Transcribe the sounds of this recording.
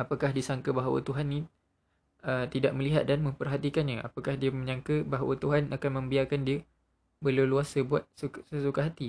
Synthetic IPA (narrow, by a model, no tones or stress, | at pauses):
apakahdisaŋkəbaɦawa̰t̪uɦanːi | ət̪idaʔ̚mə̃liɦat̪̚danmə̃mpərɦat̪ikanɲaʔa̰pakahdiəmə̃ɲãŋkəbaɦawa̰t̪uɦanakanmə̃mbiarkandiə | bəlawluasəbuat̪̚ssəsukaɦat̪i